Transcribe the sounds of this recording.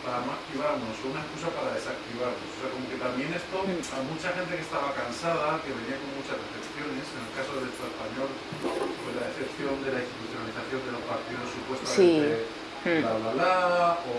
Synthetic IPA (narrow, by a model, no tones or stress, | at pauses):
paɾanoakt̪iβ̞aɾnosounaeskusapaɾaðe̞sak̚t̪iβ̞aɾnoso̥seakomoke̞t̪amje̞ne̞st̪omut͡ʃaxe̞nt̪e̞kest̪aβ̞akansaðake̞βe̞niako̞mmut͡ʃazðeθe̞pθjo̞ne̞se̞ne̞lkaso̞ðelt͡suespaɲo̞l | pozlaeθe̞pθjo̞nd̪e̞lainst̪it̪uθjonaliθaθjo̞nd̪elo̞spaɾt̪iðo̞sːupwe̞st̪amee | lalalao